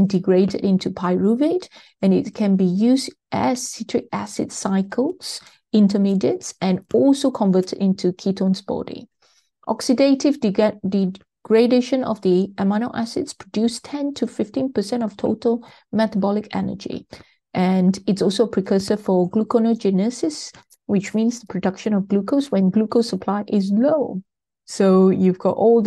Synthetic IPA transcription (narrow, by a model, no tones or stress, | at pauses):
ndiɡɹedə̰dɪ̃ntʰupʰaɪɹuvet | ɛ̃nɪt̚kʰɛ̃nbijuːsdʔɛssitʰɹɪk̚æ̰sɪ̰dsaɪkʰəlˠs | ɪ̃ntəmidə̃tsʔɛ̃nɔlsokʰɔ̃ɱvətʰə̰dɪ̃ntʰukʰitʰõnsbɔ̰dḭ̃ | ʔɔksidetɪvdi | ɡ̥ɹedeʃə̃nɔ̰vdiʔɛmanoʔæsɪ̰dspʰɹ̥ədjustʰɛ̃ntʰufɪftĩnpəsɛ̃ntɔftʰotʰəl | mɛtəbɔlɪkɛ̰nə̰d͡ʒḭ | ʔɛ̃ndɪtsɔlˠsoəpʰɹɛkʰəsəfɔɡlukonod͡ʒinəsɪs | wɪt͡ʃmĩːnsðəpʰɹɔdʌkʃə̃nɔvɡlukʰoswɛ̃nɡlukosəpʰl̥aɪʔɪzlo | sojuvɡɔtɔld